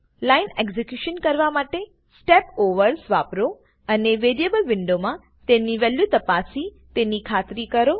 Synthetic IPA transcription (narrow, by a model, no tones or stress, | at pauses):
laɪneɡzekjuʃənkɐɾʋamaːʈe | sʈepoʋəɾsʋaːpɾo | ɐneʋeɾiebəlʋɪɳɖomã | t̪eniʋeljut̪ɐpasit̪enikʰaːt̪ɾikəɾo